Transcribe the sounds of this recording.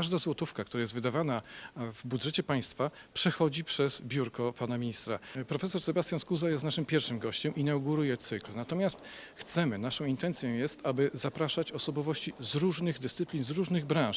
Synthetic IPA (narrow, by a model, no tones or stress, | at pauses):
aʐd̪azwɔt̪ufkakt̪uɾajɛst̪vɘd̪avanavbudʐɛt͡ɕɛpaj̃st̪fapʂɛxɔd͡ʑipʂɛzbʲjuɾkɔpanamʲiɲist̪ɾapɾɔfɛsɔɾsɛbast̪janskuzajɛst̪naʂɘmpʲjɛɾfʂɘmɡɔɕt͡ɕɛmʔinawɡuɾujɛt̪sɘklnat̪ɔmʲjast̪ | xt̪sɛmɘnaʂɔ̃w̃int̪ɛnt̪sʲjɔ̃w̃jɛst̪abɘzapɾaʂat͡ɕɔsɔbɔvɔɕt͡ɕizɾuʐnɘɣd̪ɘst̪sɘplʲinzɾuʐnɘɣbɾãʂ